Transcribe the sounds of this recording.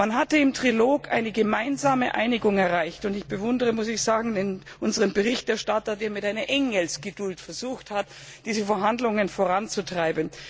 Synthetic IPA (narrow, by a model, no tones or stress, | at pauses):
manɦatəɪmtʁ̥iloːɡʔa̰ɪnəɡəmaɪnzaːməʔa̰ɪnɪɡʊŋɛɐʁaɪçtʊndɪçb̥əvʊndəʁəmʊsɪçz̥aːɡŋ̩dɛn | ʔʊnzəʁənbəʁɪçtɛɐʃtatɐdeːɐmɪtaɪnɐʔɛŋəlsɡ̥ədʊltfɛɐz̥uːxthat | d̥iːzəfɛɐɦandlʊŋənfoːʁant͡sutʁ̥aɪbn̩